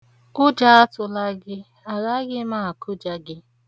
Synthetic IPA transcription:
ʊ˦d͡ʒa˦a˦tʊ˨la˦ɡɪ˦ | a˨ɣa˦ɡɪ˦ma˦˨kʰʊ˦d͡ʒa˦ɡɪ˦

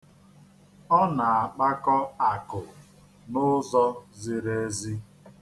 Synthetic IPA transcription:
ɔ˦na˨a˨k͡pa˦kɔ˦a˨kʊ˨ | nʊ˦zɔ˦zɪ˨ɾe˦zi˦

